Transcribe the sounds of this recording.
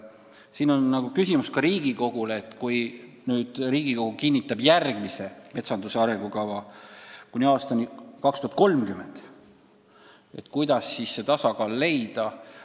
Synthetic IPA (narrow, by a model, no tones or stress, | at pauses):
siːno̞nːɑɡ̥ukysʲimuskɑɾiːɡiko̞ɡ̥uleːt̪ːˑkuj | nyːd̪̥riːɡ̥iko̞ɡ̥ukinʲːit̪ːˑɑb̥jærɡ̥mise̞me̞t̪sɑnd̪useɑɾe̞ŋɡ̥ukɑvɑkunʲiɑːst̪ɑnʲikɑkst̪uɑt̪̚ko̞lmkymːˑend̪̥ | e̞̰t̪kujd̪̥ɑsːisːet̪ɑsɑkɑːlːe̞jd̪̥ɑ